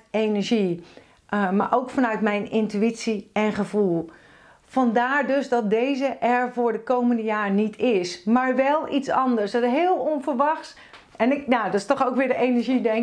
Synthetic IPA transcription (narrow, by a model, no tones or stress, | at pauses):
enəɹʒi | ma̰ɹʔowkfɑnœɥtmɛjnɪntyisiɛnχəvulˠ | fɑndaːɹdøzdɔt̚dejzəʔɛɹvʊːɹdəkowməndəjaːɹnitʰɪsmaːɹʋɛlˠitsɑndəɹsəɦɪːlˠɔnvəɹʋɑxs | ɛnɪknadɔtɪ̥stɔxowkʋɪːɹdəʔejnəɹʒidɛŋ